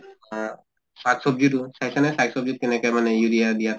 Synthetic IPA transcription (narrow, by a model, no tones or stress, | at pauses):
saksɔb̚zutusajsanɛsaksɔb̚zut̚kɛnɛkɔjmanɛjuɾijadijat